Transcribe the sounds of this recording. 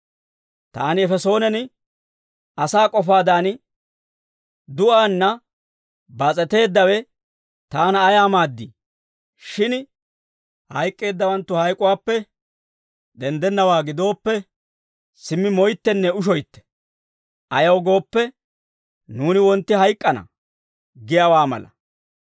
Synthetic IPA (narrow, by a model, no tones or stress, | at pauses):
t̪a̰ːnɪɛfɛso̞ːnɛnɪ | ɐsaːkʼɔfaːd̪aːn | d̪ʊʔaːnːɐ | bɐt͡sʼɛt̪e̞ːd̪ːɐwɛ | t̪aːnɐːjaːmaːd̪ːiː | ʃɪn | hɐjkʼːe̞ːd̪ːɐwɐnt̪ːʊhɐjkʼʊwaːpːɛ | d̪ɛnd̪ɛnːɐwaːɡɪd̪o̞ːpːɛ | sɪmːɪmɔjt̪ːɛnːɛʊʃ̬ɔjt̪ːɛ̥ | ʔɐjɐwɡo̞ːpːɛ | nuːnɪwɔnt̪ːɪɦɐjkʼːɐnɐ̰ | ɡɪjɐwaːmɐ̰lɐ̰